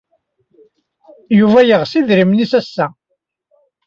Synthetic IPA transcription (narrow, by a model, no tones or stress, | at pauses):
juvæjəʁsiðɾimnisæsːæ